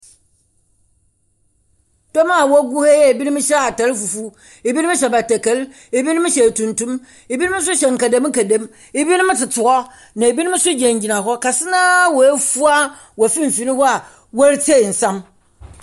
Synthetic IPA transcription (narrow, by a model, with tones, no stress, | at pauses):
d̥ɔ˦mã˦˨wɔ˦ɡu˦hɛ˦jɛ˦e˨bi˦ñ˦m̩ɪ̃˦ɕɛ˦a˨ta˨˦lfu˨fu˦ | e˨bi˦n˦ɕ̬ɛ˨ba˨tɛ˨ke˨˦l | e˨bi˦nɪ̃˦mɪ̃˦ɕɛ˨tʰũ˨ntũ˦m | e˨bi˦ñ˦mɪ̃˦s̬ʊ˦ɕɛ˨ŋ̩˨ka˨dã˨˦m˦ŋ̩˦ka˨dã˦m | e˨bi˦nɪ̃˦mɪ̃˦tɪ˨tʰʊ˨ɔ˦ | nã˨e˨bi˦nɪ̃˦m̩̃˦sʊ˦d͡ʑɛ̃˨ɲ˨d͡ʑi˨nã˨ɦɔ˦ka˨sɪ˦nãː˦wɔ˨e˦fu˦a˦ | wɔ˨fĩ˦m̩˨fi˨˦nɪ̃˦hɔ˦a˨ | wo˦ɾtʰe˦˨n̩˨sã˦m